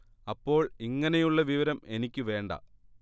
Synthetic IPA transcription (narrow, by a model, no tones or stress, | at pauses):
ɐpːo̞ːɭiŋːɐnejuɭːɐʋiʋɐɾɐme̞nikʲːɨʋe̞ːɳɖɐ̰